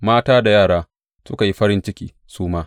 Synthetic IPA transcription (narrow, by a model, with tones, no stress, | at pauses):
maː˦taː˦da˨jaː˦˨ɽaː˦ | sʊ˦ka˨ji˦ɸɐ˦ɾɪ˦nt͡ʃɪ˦kʲḭː˦ | suː˦maː˦